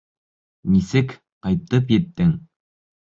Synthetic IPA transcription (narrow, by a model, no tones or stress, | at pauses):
nisɘk | qɑjp̪ːɤpjet̪ːɘŋ